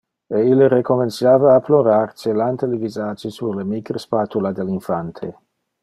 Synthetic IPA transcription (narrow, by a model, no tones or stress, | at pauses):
eilːɾekomensjaːvaːploɾart͡ʃelant̪elivizaːd͡ʒisurlemikɾəspaːt̪ulad̪elinfant̪ʰe